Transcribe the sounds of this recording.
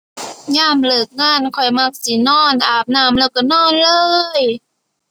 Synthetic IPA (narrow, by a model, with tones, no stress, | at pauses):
ɲaː˧˥˩mlɤː˨˩k̚ŋaː˧˥˩nkʰɔ˨˩jma˧˩k̚si˨˦nɔː˧˥˩nʔaː˨˩p̚naː˧˩mlɛː˧˩wka˧˩nɔː˧˥˩nlɤː˧j